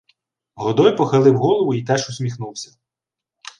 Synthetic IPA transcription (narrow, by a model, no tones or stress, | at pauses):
ɦɔd̪ɔjpɔxɐlˠɪwɦɔlˠɔʋʊit̪ɛʃʊsʲmʲixnuwsʲɐ̥